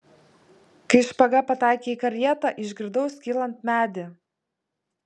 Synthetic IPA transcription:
kɐɪʃpɐɡɐpɐt̪ɑˑɪkʲeːikɐɾʲjɛt̪ɑʔɪʒʲɡʲɪɾd̪ɒʊskʲiːlˠɐnt̪mʲæːd̪ʲɪ

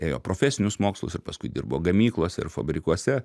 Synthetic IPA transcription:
eːjo̰ːpɾoːfʲæsʲɪnʲʊsmoːkslˠʊ̰sɪrpɐskʊɪd̪ʲḭrboːɡɐmʲiːklˠoːsʲɛɪ̰ɾfɐ̰bʲɾʲɪkuɔsʲɛ

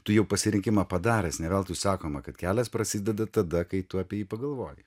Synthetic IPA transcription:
t̪ʊjɛʊpɐsʲɪɾʲɪŋʲkʲɪmɐpɐd̪ɑːɾʲɛːsnʲɛʋʲɛːlˠt̪ʊsɑːkoːmɐkɐt̪kʲæːlʲɛspɾɐsʲɪd̪ʲɛd̪ɐt̪ɐd̪ɐkɐɪt̪ʊɐːpʲiɛjiːpɐɡɐlˠʋoːjɪ

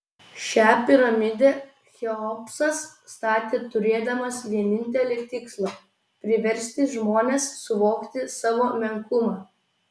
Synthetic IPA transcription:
ʃʲæːpʲɪɾɐmʲɪd̪ʲe | xʲɛɔpsɐsst̪ɑːt̪ʲeːt̪ʊɾʲeːd̪ɐmɐsʋʲiɛnʲɪnʲt̪ʲɛlʲeːt̪ʲɪkslˠo | pʲɾʲɪʋʲɛɾʲsʲt̪ʲɪʒmoːnʲeːsːʊʋoːkt̪ʲɪsɑːʋoːmʲɛŋkʊmɑː

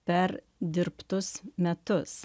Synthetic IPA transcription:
pʲɛɾ | d̪ʲɪɾpt̪ʊsmʲɛt̪ʊs

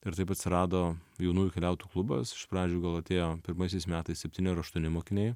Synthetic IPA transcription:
ɪɾt̪ɐɪpɐt̪sʲɪɾɑːd̪oːjɛʊnuːjukʲɛlʲɛʊt̪uːklˠʊbɐ̰sɪ̥ʃpɾɑːd͡ʒʲuːɡɐlˠɐt̪ʲeːjoːpʲɪɾmɐɪsʲɛɪsmʲæːt̪ɐɪssʲɛpʲt̪ʲiːnʲɪɪɾɐʃt̪uɔnʲɪmoːkʲɪnʲɛɪ

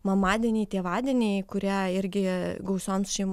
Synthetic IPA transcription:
mɐmɑːd̪ʲiɛnʲɛɪt̪ʲeːʋɑːd̪ʲɛnʲɛɪkʊɾʲiɛɪɾʲɡʲɪɡɐʊsoːmsʃʲɛɪm

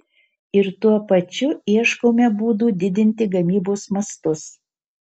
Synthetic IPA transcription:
ɪɾt̪uɔpɐt͡ʃʲʊiɛʃkoːmʲɛbuːd̪uːd̪ʲɪd̪ʲɪnʲt̪ʲɪɡɐmʲiːboːsmɐst̪ʊs

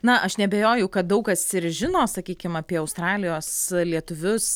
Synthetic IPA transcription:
nɐʔɐʃnʲɛbʲeːjoːjɛʊkɐt̪̚d̪ɐʊkɐsɪɾʒʲɪnoːsɐkʲiːkʲɪmɐːpʲiɛɐʊst̪ɾɑːlʲɪjoːslʲiɛt̪ʊʋʲʊs

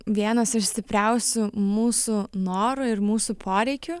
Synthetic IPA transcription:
ʋʲiɛnɐsɪʃsʲt̪ʲɪpʲɾʲɛʊsʲʊmuːsʊnoːɾʊɪɾmuːsuːpʰoːɾʲɛɪkʲʊ

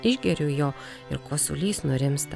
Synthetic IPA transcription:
ɪʒʲɡʲɛɾʲʊjoː | ɪ̰ɾkoːsʊ̰lʲiːsnʊɾʲɪmst̪

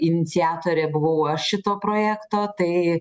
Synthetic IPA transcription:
ɪnʲɪt̪sʲɪɑːt̪oːɾʲeːbʊʋɐʊɐʃʃʲɪt̪oːpɾoːjæːkt̪oːt̪ɐɪ

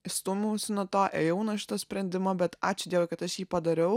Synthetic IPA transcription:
ɪst̪uːmʲɛʊsʲɪnuɔt̪oːʔeːjɛʊnɐʃʲɪ̥t̪ɐsʲpʲɾʲɛnʲd̪ʲɪmɐbʲɛt̪ɑ̰ːt͡ʃʲʊd̪ʲiɛʋɐkɐt̪ɐʃjiːpɐd̪ɐɾʲɛʊ

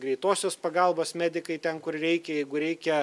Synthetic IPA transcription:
ɡɾʲɛɪt̪oːsʲɛspɐɡɐlˠboːsmʲæːd̪ʲɪkɐɪt̪ʲɛnkʊrrʲɛɪkʲɛjɛɪɡʊɾʲɛɪkʲɛ

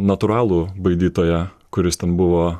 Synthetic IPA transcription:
nɐt̪ʊɾɑːlˠuːbɐɪd̪ʲiːt̪oːjɛ | kʊɾʲɪst̪ʲɛnbʊʋoː

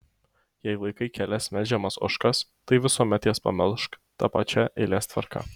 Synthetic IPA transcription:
jɛɪlˠɐɪkɐɪkʲɛlʲɛsʲmʲɛld͡ʒʲɛmɐsʊ̰ʃkɐst̪ɐɪʋʲɪsuːmʲɛt̪jɛspɐ̰mʲɛlˠʃkt̪ɐpɐt͡ʃʲɛʔɪlʲeːst̪ʋɐ̰ɾkɐ̰

